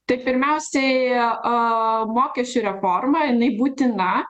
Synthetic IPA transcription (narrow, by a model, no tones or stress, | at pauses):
t̪ɐɪpʲɪɾʲmʲɛʊsʲɛɪ | moːkʲɛsʲt͡ʃʲʊɾʲɛfoːrmɐjɪnɐɪbuːt̪ʲɪnɐ